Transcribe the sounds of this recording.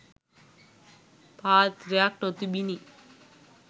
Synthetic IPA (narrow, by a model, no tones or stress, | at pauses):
pat̪ɾeak̚ʈɔt̪ibini